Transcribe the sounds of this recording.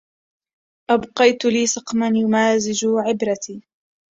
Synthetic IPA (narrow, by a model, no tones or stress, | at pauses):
ʔabqɑjt̪liːsɑqmanjʊmaːzɪd͡ʒʊʕɪbɾat̪iː